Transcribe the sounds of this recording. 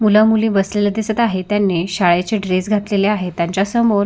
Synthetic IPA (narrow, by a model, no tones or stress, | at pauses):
muləmulĩːbəsleled̪esət̪aɦet̪janːeɕaɭat͡ɕeɖɾesɡʱat̪leleaɦet̪jãɲt͡ɕasəmoɾ